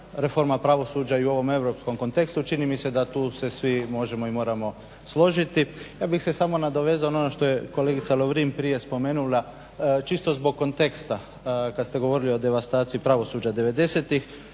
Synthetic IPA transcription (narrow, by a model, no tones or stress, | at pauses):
ɾe̞fo̞ɾmapɾaʋo̞suːd͡ʑaiuo̞ʋo̞me̞wɾo̞psko̞mko̞nt̪e̞kst̪ut͡ʃinimise̞d̪at̪uːse̞sʋimo̞ʒe̞mo̞imo̞ːɾamo̞ | slo̞ʒit̪ijaːbixse̞samo̞nad̪o̞ʋe̞zaononoʃt̪o̞jeko̞le̞ːɡit̪saloʋɾimpɾije̞spo̞me̞ːnulˠa | t͡ʃist̪o̞zbo̞ɡ̚kːo̞nt̪e̞kst̪a | kad̪st̪e̞ɡo̞ʋo̞ːɾilio̞d̪e̞ʋast̪aːt̪siipɾaʋo̞suːd͡ʑad̪e̞ʋe̞d̪e̞se̞t̪ix